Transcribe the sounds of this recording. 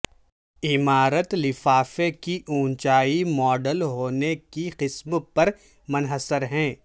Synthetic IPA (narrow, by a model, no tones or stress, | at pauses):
ɪmaːɾət̪lɪfaːfekiʔũːnt͡ʃaːimɔːɖəlɦoːnekiqɪsmpɐɾ | mʊnɦəsəɾɦɛ̃ː